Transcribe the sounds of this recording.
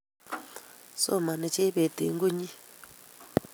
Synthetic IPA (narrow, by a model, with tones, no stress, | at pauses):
so̰˦˨ma˨nɛ˨t͡ʃe˦βe˨t̪ḭ˨˦ŋɡu˦ɲi˦